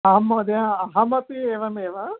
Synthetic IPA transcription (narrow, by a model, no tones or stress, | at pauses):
amːoːd̪jaːɦɐmɐt̪ieːʋɐmeːʋɐ